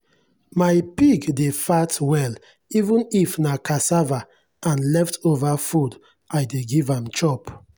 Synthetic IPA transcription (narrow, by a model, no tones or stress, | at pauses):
majpiɡdefatwɛl | ivũnifnakasava | ãnlɛftovafud | ajdeɡivãmt͡ʃɔp